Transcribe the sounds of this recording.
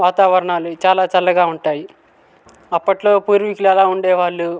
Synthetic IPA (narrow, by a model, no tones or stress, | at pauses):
ʋaːt̪aːʋɐɾɐɳaːlut͡ʃaːlaːt͡ʃɐlːɐɡaːuɳʈaːji | ɐpːɐʈlo̞ːpuːɾʋikuluɛlaːuɳɖɛːʋaːɭːu